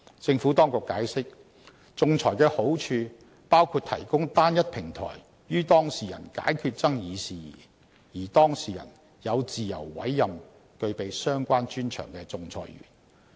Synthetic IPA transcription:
t͡sɪ˧ŋfuː˨˥t̪ɔː˥ŋkʊ˨kːaː˨˥jsɪ˥k̚ | t͡sʊ˧ŋt͡sʰɔː˨˩jkɛː˧ho˨˥wt͡ʃʰyː˧ | paː˥wkʰuː˧t̚t̪ʰɐ˨˩jkʊ˥ŋt̪aː˥njɐ˥t̚pʰɪ˨˩ŋt̪ʰɔ̰ː˨˩j | jyː˥t̪ɔː˥ŋsiː˨jɐ̰˨˩nka̰ː˨˥jkʰyː˧t̚t͡sɐ˥ŋjiː˨˧siː˨˩ | jiː˨˩t̪ɔː˥ŋsiː˨jɐ̰˨˩n | jɐ˨˧wt͡siː˨jɐ̰˨˩wːɐ̰˨˥jːɐ˨m | kɵ˧ɥpe˨jsœː˥ŋkʷaː˥nt͡ʃyː˥nt͡ʃʰœ̰ː˨˩ŋkɛː˧t͡sʊ˧ŋt͡sʰɔ̰ː˨˩jɥy̰ː˨˩n

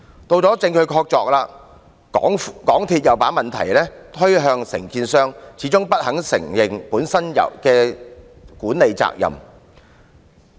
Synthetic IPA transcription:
t̪o˧wt͡sɔː˨˥t͡sɪ˧ŋkʰɵ˨˧ɥkʰɔː˧k̚t͡sɔː˧k̚laː˧˨˥ | ŋkɔː˨˥ŋt̪ʰiː˧t̚jɐ˨wpaː˨˥nmɐ˨nt̪ʰɐ̰˨˩jlɛː˥t̪ʰɵ˥ɥɦœː˧ŋsɪ̰˨˩ŋkiː˧nsœː˥ŋt͡sʰiː˨˥t͡sʊ˥ŋpɐ˥t̚hɐ˨˥ŋsɪ̰˨˩ŋjɪ˨ŋpuː˨˥nsɐ˥njɐ̰˨˩wkɛː˧ | kuː˨˥nle˨jt͡sa̰ː˧k̚jɐ̰˨˩m

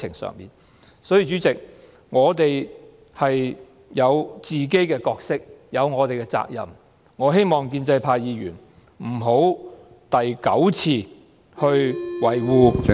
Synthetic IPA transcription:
ɪ̰˨˩ŋsœ̰ː˨ŋmḭː˨˩n | sɔː˨˥jyː˨t͡ʃyː˨˥t͡sɪ˨k̚ | ŋɔː˨˧t̪e˨j | hɐ˨j | jɐ˨˧wt͡siː˨ke˥jkɛː˧kɔː˧k̚sɪ˥k̚jɐ˨˧wŋɔː˨˧t̪e˨jkɛ˧t͡sa̰ː˧k̚jɐ̰˨m | ŋɔː˨˧ɦe˥jmɔː˨ŋkiː˧nt͡sɐ˧jpʰaː˧jjiː˨˧ɥyː˨˩n | m̩˨˩ɦo˨˥w | t̪ɐ˨jkɐ˨˥wt͡sʰiː˧ | hɵ˧ɥwɐ˨˩jwuː˨˧

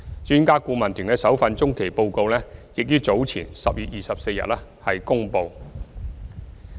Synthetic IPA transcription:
t͡ʃyː˧˥nkaː˥kuː˧mɐ˨˩nt̪ʰyː˨˩nkɛː˧sɐ˨˥wfɐ˧nt͡sʊ˥ŋkʰe˨˩jpo˧wko˧wlɛː˥jɪ˨k̚jyː˥t͡so˨˥wt͡sʰiː˨˩nsɐ˨p̚jyː˨t̚jiː˨sɐ˨p̚se˧jɐ˨t̚lɛː˥hɐ˨jkʊ˥ŋpo˧w

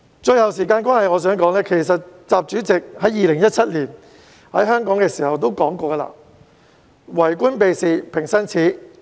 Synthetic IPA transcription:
t͡ʃɵ˧ɥhɐ˨wsiː˨˩kaː˧nkwaː˥nhɐ˨jŋɔː˨˧s̬œː˨˥ŋkɔː˨˥ŋlɛː˥kʰe˨˩js̬ɐ˨t̚t͡saː˨p̚t͡ʃyː˨˥t͡sɪ˨k̚hɐ˨˥jiː˨lɪ˨˩ŋjɐ˥t̚t͡sʰɐ˥t̚liː˨˩n | hɐ˨˥jɦœː˥ŋkɔː˨˥ŋkɛː˧siː˨˩hɐ˨wt̪̬o˥wkɔː˨˥ŋkɔː˧ɡɐ˧la̰ː˧˥ | wɐ˨˩jkʷuː˥npe˨˧jsiː˨˧pʰɪ˨˩ŋsɐ˥nt͡sʰiː˨˥

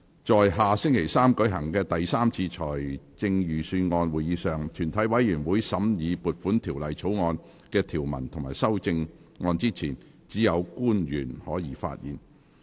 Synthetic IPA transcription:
t͡ʃɔː˨jɦaː˨sɪ˥ŋkʰe˨˩jsaː˥mkɵ˨˥ɦɐ˨˩ŋkɛː˧t̪ɐ˨jsaː˥mt͡sʰiː˧t͡ʃʰɔː˨˩jt͡sɪ˧ŋjyː˨˩syː˧nŋɔː˧nwuː˨˩jjiː˨˥sœː˨ŋt̪ʰyː˨˩nt̪ʰɐ˨˥jwɐ˨˥jːyː˨˩nwuː˨˥jsɐ˨˥mjiː˨˧puː˨t̚fuː˨˥nt̪ʰiː˨˩wlɐ˨jt͡sʰo˨˥wŋɔː˧n | kɛː˧t̪ʰiː˨˩wmɐ̰˨˩nt̪ʰʊ˨˩ŋmaː˨˩jsɐ˥wt͡sɪ˧ŋ | ŋɔː˧nt͡siː˥t͡sʰiː˨˩n | t͡siː˨˥jɐ˨˧wkuː˥njyː˨˩nhɔː˨˥jiː˨˧˥fa̰ː˧t̚jiː˨˥n

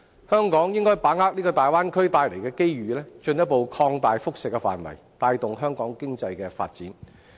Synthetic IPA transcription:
hœː˥ŋkɔː˨˥ŋjɪ˥ŋkɔː˥jpaː˨˥ŋhaː˥k̚liː˥kɔː˧t̪aː˨jwaː˥nkʰɵ˥ɥt̪aː˧jle˨˩jkɛː˧ke˥jɥyː˨lɛː˥t͡ʃɵ˧njɐ˥po˨wkʰɔː˧ŋt̪aː˨jfʊ˥k̚sɪ˨kːɛ˧fa̰ː˨nwɐ̰˨˩jt̪aː˧jt̪ʊ˨ŋɦœː˥ŋkɔː˨˥ŋkɪ˥ŋt͡sɐ˧jkɛː˧fa̰ː˧t̚t͡sḭː˨˥n

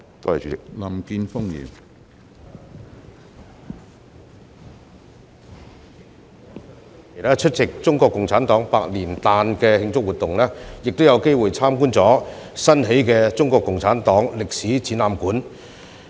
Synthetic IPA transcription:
t̪o˥hɐ˨˩t͡ʃʰyː˨˥ɪ˨k̚lɐ˨˩mki˧nfʊ˥ŋjḭː˨˩m | e˨˩t̪ʰaː˥t͡ʃʰɵ˥t̚t͡sɪ˨k̚t͡sʊ˥ŋkɔː˧kːʊ˨ŋt͡sʰaː˨˥nt̪ɔː˨˥ŋpaː˧k̚liː˨˩nt̪aː˧nkɛː˧hɪ˧ŋt͡sʊ˥k̚wuː˨t̪ʊ˨ŋlɛː˥jɪ˨k̚t̪o˥wjɐ˨˧wke˥jwuː˨˩jt͡sʰaː˥mkuː˥nt͡sɔː˨˥sɐ˥nɦe˨˥jkɛː˧t͡sʊ˥ŋkɔː˧kːʊ˨ŋt͡sʰaː˨˥nt̪ɔː˨˥ŋlɪ˨k̚siː˨˥t͡siː˨˥naː˧mkuː˨˥n

